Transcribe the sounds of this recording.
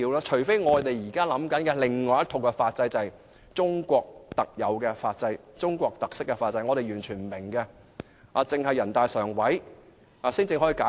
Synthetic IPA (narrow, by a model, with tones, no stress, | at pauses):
iː˧wlaː˥t͡ʃʰɵ˨˩ɥfe˥jŋɔː˨˧t̪e˨jjiː˨˩kaː˥lɐ˨˥mkɐ˨˥nkɛ˧lɪ˨ŋŋːɔː˨˧jɐ˥t̪ʰo˨wkɛ˧faː˧t̚t͡sɐ˧jt͡sɐ˨ɐ˨j | t͡ʃʊ˥ŋkʷɔː˧k̚t̪ɐ˨k̚jɐ˨˧wkɛː˧faː˧t̚t͡sɐ˧jt͡sʊ˥ŋkʷɔː˧k̚t̪ɐ˨k̚sɪ˥kːɛ˧faː˧t̚t͡sɐ˧jŋɔ˨˧ɾe˨jɥyː˨˩nt͡ʃʰyː˨˩nm̩˨˩mɪ˨˩ŋkɛ˧ | ʔaː˧t͡sɪ˨˧ŋhɐ˨˩jːɐ˨˩nt̪aː˨jsœː˨˩ŋwɐ˨˥j | aː˨˧siː˥nt͡sɪ˧ŋɦɔː˨˥jiː˧kaː˨˥